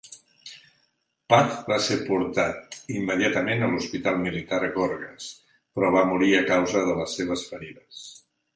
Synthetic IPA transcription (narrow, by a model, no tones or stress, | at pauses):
patbaseɾpuɾt̪at̪imːəðjat̪əmenəluspit̪alˠmilit̪aɾɣoɾɣəs | pɾɔβ̞amuɾiəkawzəðələsːeβ̞əsfəɾiðəs